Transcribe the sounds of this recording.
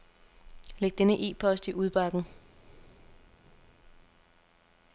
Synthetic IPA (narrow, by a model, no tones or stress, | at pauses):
leɡ̥̚d̥enəʔe̝̰ːpʰɒ̽sd̥iʔuð̞ˠb̥ɑ̈ɡ̥n̩